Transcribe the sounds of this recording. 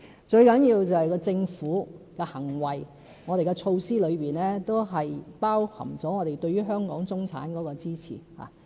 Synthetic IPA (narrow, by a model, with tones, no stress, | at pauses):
t͡ʃɵ˧ɥkɐ˨˥njiː˧wt͡sɐ˨hɐ˨jkɔː˧t͡sɪ˧ŋfuː˨˥kɛ˧hɐ˨˩ŋwɐ˨j | ŋɔ˨˧ɾe˨jkɛ˧t͡ʃʰo˧wsiː˥lɵ˨˧ɥpiː˨˩nlɛː˥t̪o˥wɦɐ˨jpaː˥whʰɐ̰˨˩mt͡sɔː˨˥ŋɔː˨˧ɾe˨jt̪ɵ˧ɥyː˥ɦœː˥ŋkɔ̰ː˨˥ŋt͡sʊ˥ŋt͡sʰa̰ː˨˥nkɔː˨˥kɔː˧t͡siː˥t͡sʰḭː˨˩ha̰ː˨˦